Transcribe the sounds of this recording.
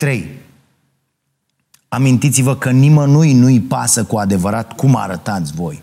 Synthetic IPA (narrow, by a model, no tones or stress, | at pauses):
t̪ɾe̞j | amint̪it̪sivəkənimənujnujpasəkuad̪e̞vəɾat̪kuma̰ɾət̪at̪sʲvo̞j